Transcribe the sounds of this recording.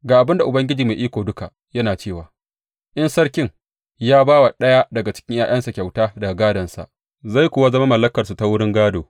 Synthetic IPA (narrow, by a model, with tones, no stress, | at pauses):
ɡaː˨ʔa˨bɪ˦nda˨ʔʊ˨bɐ˦ŋɡʲɪ˦d͡ʒiː˨ma˨ʔiː˦kʷoː˨dʊ˦ka˨ | jɐ˦naː˨t͡ʃeː˦˨waː˨ | ʔɪ˦nsɐ˦rkʲɪ˦ŋ | jaː˦baː˦wa˨ɗɐ˦ja˦dɐ˨ɡa˨t͡ʃɪ̥˦kʲɪ˦ŋjaː˨jʔɐ˦nsa˨kʲa˨wtaː˦dɐ˨ɡa˨ɡaː˦dɐ˨nsa̰˨ʔ | za˦˨jkʷʊ˦˨wa˦zɐ˦ma˦mɐ˨lːɐ˦kɐ˨rsu˨ta˦wʊ˦ɽɪ˦ŋɡaː˦doː˨